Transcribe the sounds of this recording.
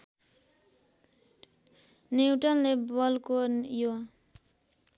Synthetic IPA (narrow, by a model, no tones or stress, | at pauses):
niwʈʌnlebʌlkojo